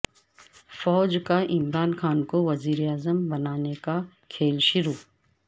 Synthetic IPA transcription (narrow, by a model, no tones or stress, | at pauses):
fɔːd͡ʒkaʔɪmɾaːnxaːnkoʋɐziːɾeaːzəmbɐnaːneka | kʰeːlʃʊɾuː